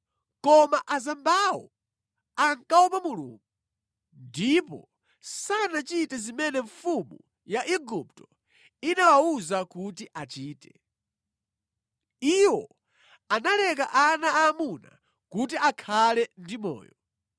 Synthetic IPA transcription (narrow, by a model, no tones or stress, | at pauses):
kɔmaʔazambawɔ | aŋkawɔpamulṵːŋɡu | ndipɔ̰ | sanat͡ʃitɛzimɛnɛɱfumu | jaʔiɡup̚tɔ | inawauzakutiʔat͡ʃiːtɛ̥ | iwɔ | analɛk̬aʔanaːmuna̰ | kut̬iʔakʰalɛndimɔ̰ːjɔ